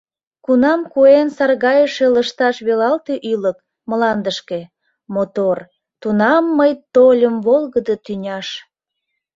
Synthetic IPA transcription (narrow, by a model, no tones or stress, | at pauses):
kunɑmkuensɑrɣɑjəʃeləʃt̪ɑʃβelɑlt̪eʔylək | məlɑnd̪əʃke̽ | mot̪or | t̪unɑmːəjt̪olʲəmvolˠɣəd̪ət̪ynʲɑʃ